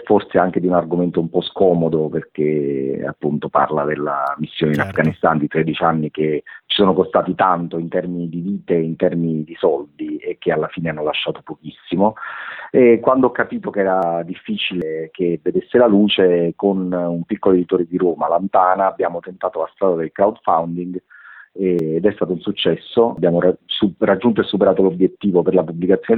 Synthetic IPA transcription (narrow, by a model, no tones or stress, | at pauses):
forseaŋk̟ed̪iunarɡoment̪oumpɔskɔːmod̪operk̟ea̰pːunt̪opa̰rlad̪elːa̰misːjoːneinafɡanist̪and̪it̪ɾed̪it͡ʃianːiket͡ʃːi̥soːnokost̪aːt̪it̪ant̪oint̪ɛrminid̪iviːt̪eint̪ɛrminid̪isɔld̪iek̟ːealːafiːneanːolaʃːaːt̪opok̟isːimo | ɛkwand̪oɔkːapiːt̪okeɛːɾad̪ifːiːt͡ʃilekevːed̪esːelaluːt͡ʃekonumpikːoloed̪it̪oːɾed̪iɾoːmalant̪aːnaːbːjaːmot̪ent̪aːt̪olast̪ɾaːd̪ad̪elkɾawd̪fawnd̪iŋɡ | ɛːd̪ɛst̪aːt̪ounsut͡ʃːɛsːobjaːmoasurad͡ʒːunt̪oesːupeɾaːt̪olobjet̪ːiːvoperlapublikat̪sːjon